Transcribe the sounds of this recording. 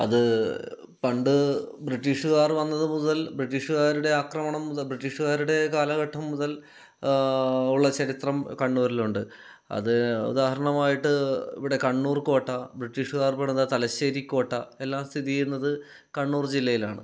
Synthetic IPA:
ɐ̰ðɨ | pɐɳɖɨbriʈːiːʂuɣaːrʋɐnːɐðɨmuðɐlbriʈːiːʂuɣaːɾuɽe̞aːkrɐmɐɳɐmːuðɐbriʈːiːʂuɣaːɾuɽe̞kaːlɐɣɐʈʰːɐmːuðɐl | uɭːɐt͡ɕɐɾit̪rɐmkɐɳːuːɾiluɳɖɨ | ɐ̰ðɨṵd̪aːhɐɾɐɳɐmaːjiʈːɨḭʋiɽe̞kɐɳːuːrko̞ːʈːɐbriʈːiːʂuɣaːrpɐɳnɐðɐt̪ɐlɐɕeːɾikʲːo̞ːʈːɐe̞lːaːmst̪ʰiðijunːɐðɨ | kɐɳːuːrd͡ʑilːɐjila̰ːɳɨ̰

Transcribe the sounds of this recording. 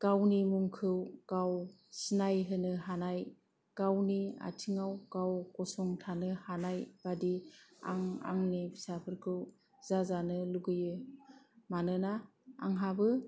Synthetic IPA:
ɡ̥awnimuŋkʰɯwkaw | sinajɦɯnɯɦanaj | ɡ̥awnia̰tʰiŋawɡawkɔsɔŋtʰanɯhanajb̥adia̰ŋa̰ŋnipʰsapʰɯɾkʰɯw | zazanɯluɡɯjɯ | manɯnaː | ŋɦabɯ

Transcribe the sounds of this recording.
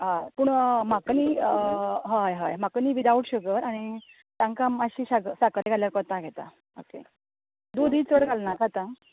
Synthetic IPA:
ɦajpuːɳmakəni | ɦəjɦəjm̤akəniːʋid̪auʈɕəkəɾaɽ̃i | t̪ãŋkaməɕiːɕasakəɾeɡʱaljaɾkɔt̪aɡʱɛt̪a̰ | o̰kḛ | d̪od̪iːt͡sʋəɽɡʱalnakat̪a

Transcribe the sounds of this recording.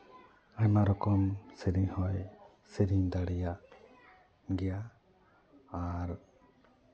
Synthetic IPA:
aɲmaɾɔkɔmsiɾiɲhɔj | siɾiɲd̪aɽɛjaʔ | ɡɛja | ɾ

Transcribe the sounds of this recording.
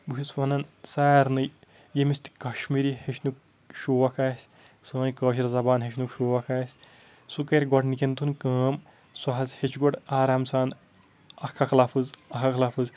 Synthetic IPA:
buɦisʋɐnɐnsaːɾnɨj | jemist̪i̥kɐʃmiɾiheʃnuk̚ | ʃuːʋakʰaːsʲ | sɐ̃ːnkəːʃ̬iɾzɐbaːnɦeʃnukʃuːʋɐkʰaːsʲ | sukɐɾʲɡɔʈnikent̪unkɐːm | swaɦɐzhet͡ʃʰɡɔʈaːɾaːmsaːn | ɐkʰːɐkʰlafʰɨzɐkʰakʰlafʰɨz

